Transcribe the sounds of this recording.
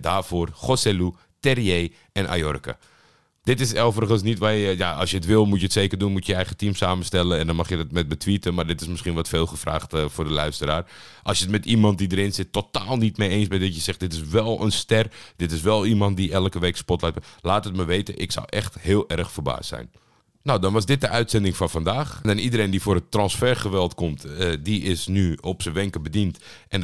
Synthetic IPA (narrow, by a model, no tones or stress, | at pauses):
daːrfʊːrχosɛlu | tɛrije | ʔɛnʔa̰jɔ̰rkə̰ | d̥ɪtɪsɛlˠvərəɣənsnitʋajəja̰ɑ̰lˠsjəətʋɪlˠmutjəətsejkərdunmutjəjəɛjχətimsaːməstɛlənɛndɔnmɑχjədɑtmɛt̚bətʋitənmardɪtɪsmɪsχinʋɔtfeːlˠχəfra̰ːχtəfʊːrdəlœɥstəɾaːr | ʔɑlˠsjətmɛtimɑnt̚didəɾɪnzɪtːotaːlˠnitmejejnsbɛdɔtjəsɛχdɪtɪsʋɛlˠə̰nstɛrd̥ɪtɪsʋɛlˠimɑnt̚diʔɛlˠəkəʋeːkspɔtlɛt̚laːtət̚maʋeːtə̰ʔɪksa̰wʔɛxthɪːlˠɛrxfəɹba̰ːstsɛ̰jn | nawdɔnʋɑsdɪt̚dəʔœɥtsɛndɪŋfɑnfandaːxndɛnidəɾejndifoːrətːrɔnsfɛɹχəʋɛlˠtkɔmtdiʔɪsnyɔpsəʋɛŋkəbədintʔɛn